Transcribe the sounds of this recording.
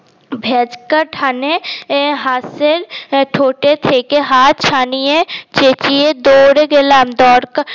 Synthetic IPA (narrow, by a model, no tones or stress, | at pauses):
bʱeːd͡ʒkəʈʰaːneɦaːsɪlʈʰoːʈet̪ʰeːkeɦaːt̪̚t͡ʃʰaːniet͡ʃeːt͡ʃied̪oːɾeɡɪlaːmd̪ɔːɾka